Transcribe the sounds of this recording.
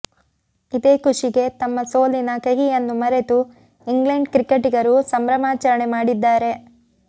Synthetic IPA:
id̪eːkuʂiɡe̞t̪ɐmːɐso̞ːlinɐkɐɦijɐnːumɐɾe̞t̪u | iŋɡleɳɖkɾikeʈiɡɐɾusɐmɾɐmaːt͡ʃɐɾɐɳemaːɽid̪ːaːɾe̞

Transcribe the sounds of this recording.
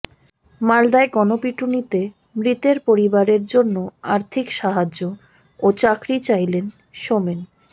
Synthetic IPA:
mald̪aeɡɔnopiʈunit̪e | mɾit̪eɾpoɾibaɾeɾd͡ʑonːoaɾt̪ʰikʃaɦad͡ʑːo | ot͡ɕakɾit͡ɕajlen | ʃomen

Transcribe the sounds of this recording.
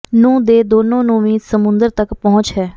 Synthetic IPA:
nũːd̪eːd̪oːnõːnũːmĩːd̪səmʊ̃nd̪əɾt̪əkpɔɦʊ̃t͡ʃɦɛː

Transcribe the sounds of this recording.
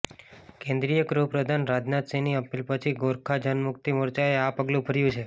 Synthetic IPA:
kẽnd̪ɾijəkɾuɦpɾəd̪ʱanɾad͡ʒnat̪siniəpilpət͡ʃʰiɡoɾkʰad͡ʒənmʊk̚t̪imoɾt͡ʃaeapəɡlũbʱəɾjũt͡ʃʰe

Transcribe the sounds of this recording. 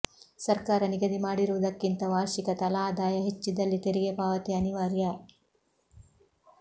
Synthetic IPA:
sɐɾkaːɾɐniɡɐd̪imaːɽiɾuʋud̪ɐkːint̪ɐʋaːɾʃikɐt̪ɐlaːd̪aːjɐɦet͡ʃːid̪ɐlːit̪eɾiɡepaːʋɐt̪iɐniʋaːɾjɐ

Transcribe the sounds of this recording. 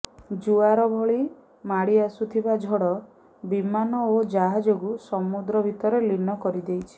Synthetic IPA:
d͡ʒuaɾɔbʱɔɭi | maɽiasut̪ʰibad͡ʒʱɔɽɔ | bimanɔod͡ʒaɦad͡ʒoɡusɔmud̪ɾɔbʱit̪ɔɾelinɔkɔɾid̪ejt͡ʃʰi̥

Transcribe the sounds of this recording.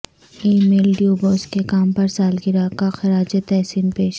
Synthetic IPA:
iːmeːlɖjuːboːskekaːmpɐɾsaːlɡɪɾakaxɐɾaːd͡ʒət̪ɛɦsiːnpeːʃ

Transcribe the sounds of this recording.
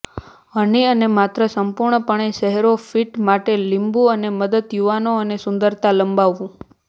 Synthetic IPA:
əɳiənemat̪ɾəsəmpuɾɳəpəɳ̃eʃɛɦeɾofiʈmaʈelimbũəneməd̪əd̪juʋanoənesʊ̃nd̪əɾt̪aləmbaʋːũ

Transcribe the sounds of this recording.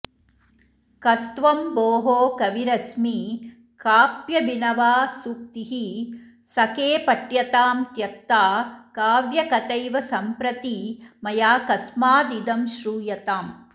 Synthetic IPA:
kɐst̪ʋɐmboːɦoːkɐʋiɾɐsmi | kaːpjɐbinɐʋaːsuk̚t̪iɦi | sɐkeːpɐʈjɐt̪aːmt̪jɐt̪ːaːkaːʋjɐkɐt̪ɐjʋɐsɐmpɾɐt̪iːmɐjaːkɐsmaːd̪id̪ɐmʃɾuːjɐt̪aːm

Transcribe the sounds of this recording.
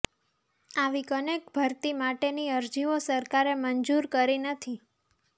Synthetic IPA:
aʋikənekbʱəɾt̪imaʈeniəɾd͡ʒiʋosəɾkaɾemənd͡ʒuɾkəɾinət̪ʰi

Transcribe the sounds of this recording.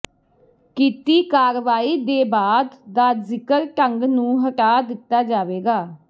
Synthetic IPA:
kiːt̪iːkaːɾʋaːiːd̪eːbaːd̪d̪aːzɪkəɾʈəŋɡnũːɦəʈaːd̪ɪt̪ːaːd͡ʒaːʋeːɡaː

